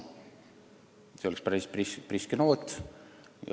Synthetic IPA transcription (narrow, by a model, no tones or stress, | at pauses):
seoɛkspæɾispispriskenoːt̪ | j̰